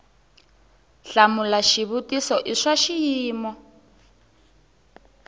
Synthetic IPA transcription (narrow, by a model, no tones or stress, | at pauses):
ɬamulaʃiβutisɔʔiʂaʃijiːmɔ